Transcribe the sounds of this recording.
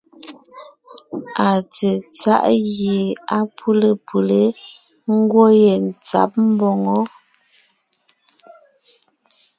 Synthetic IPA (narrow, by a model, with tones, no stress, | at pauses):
a˨t͡se˨t͡sa̰˦ʔɣje˨a˦pʰu˦le˨pʰu˨le˦ | ŋ̩˦ɡwo˦je˨n̩˨t͡sa̰˨˦p̚m̩˦bɔ˨ŋɔ˦